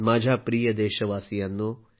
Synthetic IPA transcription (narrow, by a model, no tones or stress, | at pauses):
maːd͡ʒʱapɾiːjɐd̪eːʃɐʋaːsijɐnːu